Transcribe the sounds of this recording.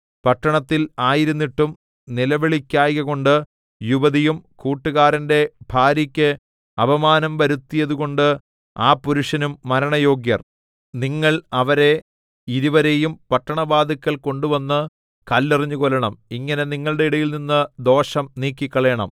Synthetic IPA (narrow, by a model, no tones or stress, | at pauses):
pɐʈːɐɳɐt̪ːilaːjiɾunːiʈːum | nilɐʋeɭikʲːaːjɣɐɣo̞ɳɖɨ | juʋɐðijumkuːʈːuɣaːɾɐnde̞bʱaːɾjikʲːɨ | ɐbɐmaːnɐmʋɐɾut̪ːijɐðuɣo̞ɳɖɨ | aːpːuɾuʂɐnumːɐɾɐɳɐjo̞ːɡjɐ̰r | niŋːɐɭɐʋɐɾe̞ | iɾuʋɐɾejumpɐʈːɐɳɐbaːd̪ikːɐɭko̞ɳɖuʋɐnːɨ | kɐlːiriɲːuɣolɐɳɐmiŋːɐne̞niŋːɐɭɨɽe̞iɽɐjilninːɨd̪o̞ːʂɐmniːkːikʲːɐɭeːɳɐ̰m